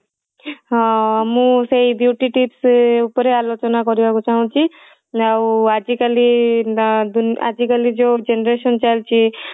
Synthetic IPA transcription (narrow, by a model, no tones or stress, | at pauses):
ɦãamũseibjuʈiʈipsupɔɾealot͡ʃɔnakɔɾibakut͡ʃaɦũt͡ʃʰi | awad͡ʒikali | d̪una̰d͡ʒikalid͡ʒod͡ʒenɾeʃɔnt͡ʃajlt͡ʃʰi